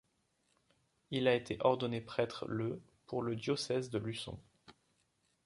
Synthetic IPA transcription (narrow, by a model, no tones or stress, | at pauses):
ilaet̪ʰeʔɔʁd̪ɔnepχɛt̪χlə | pʰuʁləd̪jɔsɛzd̪əlysɔ̰̃